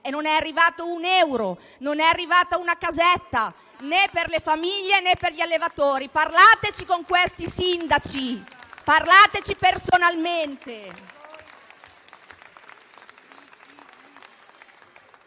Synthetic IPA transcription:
enonɛarːivaːt̪ounɛwɾo | nonɛarːivaːt̪aunakazɛt̪ːa | neperlefamiʎːenepːerʎialːevat̪oːɾiparlaːt̪et͡ʃikoŋkwest̪isind̪at͡ʃiparlaːt̪et͡ʃipersonalment̪e

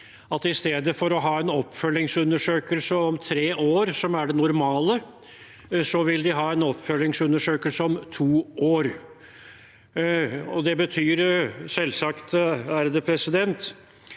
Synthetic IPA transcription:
ɑt̪ɪst̪eːd̪əfɔɾɔɦɑːɛnɔpːfœlːɪŋsʉnːəʂøːkəlsəɔmt̪ʰɾeːʔoːɾsɔmæɖɛnʊɾmɑːlə | sɔʋɪld̪ɪɦɑːɛnɔpːfœlːɪŋsʉnəʂøːkəlsəɔmt̪ʰuːʔoːɾ | ɔd̪ɛbət̪ʰyːɾsɛlːsɑkt̪æɾd̪əpʰɾɛsɪd̪ɛnt̪

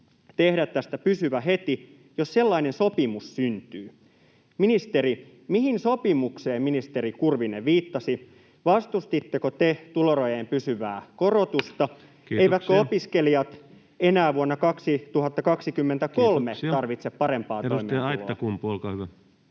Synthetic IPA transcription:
t̪ehdæt̪t̪ːæst̪æpysyʋæɦet̪i | josselːɑinensopimussynt̪yː | minist̪eɾi | mihinsopimukseːmminist̪eɾikurʋineʋiːt̪ːɑsi | ʋɑst̪ust̪it̪ːekot̪et̪uloɾojempysyʋæ̰ːkorot̪ust̪ɑ | eijʋæt̪køopiskeliɑt̪ | enæːʋuonːɑkɑksit̪uhɑt̪ːɑkɑksikymːent̪ækolmet̪ɑrʋit̪seppɑɾempɑːtoiimiɑjtːɑkumpuolkɑyʋæ

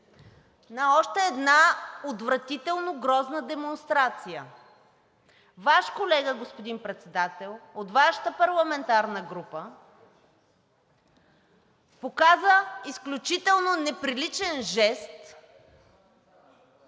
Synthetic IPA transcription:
nɐɔʃt̪ɛːd̪naod̪vɾɐt̪it̪ɛlˠnoɡɾɔznəd̪ɛmonst̪ɾat̪sijə | vaʃkolɛɡəɡospod̪inpɾɛt̪sɛd̪at̪ɛlˠot̪vaʃə̥t̪əpɐɾlˠɐmɛnt̪aɾnəɡɾupə | pokazəisklʲut͡ʃit̪ɛlˠnonɛpɾilit͡ʃɛnʒɛst̪

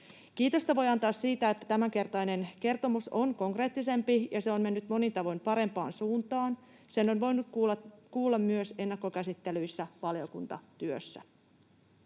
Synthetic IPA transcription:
kiːt̪o̞st̪ɑʋo̞jɑnt̪ɑːssiːt̪æet̪ːæt̪æmæŋke̞rt̪ɑjne̞nke̞rt̪o̞musonko̞ŋkre̞ːt̪ːise̞mpijɑseonme̞nːyt̪mo̞nit̪ɑʋojmpɑɾe̞mpɑ̰ːnsuːnt̪ɑːn | se̞nːo̞nʋo̞jnut̪kukuːlːɑmːyøse̞nːɑkːo̞kæsit̪ːe̞lyjsːæʋɑljo̞kunt̪ɑ̰t̪yø̰sːæ̰

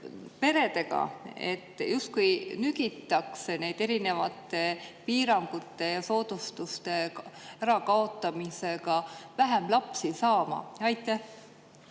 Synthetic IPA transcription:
pe̞ɾe̞d̪e̞ɡ̥ɑ̰e̞̰t̪ːjust̪̚kujnyɡ̥it̪ːˑɑksene̞jd̪̥e̞ɾine̞vɑt̪ːˑe̞piːɾɑŋɡ̥ut̪ːˑe̞jɑso̞ːd̪̥ust̪ust̪e̞æɾɑkɑo̞t̪ˑːɑmise̞ɡɑvæɦæmlɑpsisɑːmɑ̰ɑjt̪ːˑeh

